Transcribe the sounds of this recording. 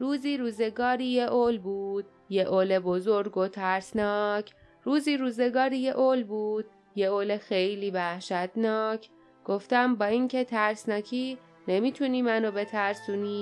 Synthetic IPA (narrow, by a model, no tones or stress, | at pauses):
ɾuːziːɾuːze̞ɡɒːɾiːje̞ʔolbuːd̪̥ | je̞ʔoːlebozoɾɡot̪ʰæɾsnɒːcʰ | ruːziːɾuːze̞ɡɒːɾije̞ʔolbuːd̪̥̚ | je̞oːlexejliːvæhʃæt̪nɒːcʰ | ɡ̥o̞ft̪æmbɒːiŋcʰe̞t̪ʰæɾsnɒːcʰiː | ne̞miːt̪ʰuniːmænobe̞t̪ʰæɾsuːniː